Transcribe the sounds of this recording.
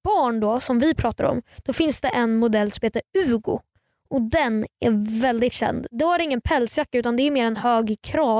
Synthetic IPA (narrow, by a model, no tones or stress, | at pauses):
b̥ɑːɳɖɔsɔmvɪpʰɾɑːt̪a̰ɾɔ̰md̪̥ɔfɪnsd̪ɛʔɛnmʊd̪ɛlːsɔmheːt̪əɾʉ̟ːɡʊ̰ | ʔɔd̪ɛnæɾvɛld̪ɪt̪ɕɛ̰nd̪d̪ɛvaɾɪŋːənpʰɛlːsjakːaʉ̟ːt̪and̪ɛːɾmeːɾɛnhøːɡkʰɾɑː